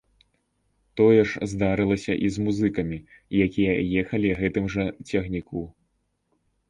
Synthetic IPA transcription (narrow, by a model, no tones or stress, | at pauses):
t̪ɔjɛʂzd̪aɾɨlˠɐsʲɐʔizmuzɨkɐmʲijakʲijɐjɛxɐlʲiɣɛt̪ɨmʐɐt͡sʲɐɣnʲikʰu